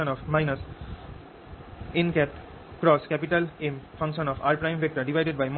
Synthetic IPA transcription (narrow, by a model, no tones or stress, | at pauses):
ə̃nɔfmaɪnəs | ĩnkɛp̚ʈ | kɾɔːskɛpiʈəlẽmfʰʌ̃ŋkʃə̃nɔfaːɾpɾãɪ̃mʋek̚ʈəɾɖiʋaɪɖeɖbajm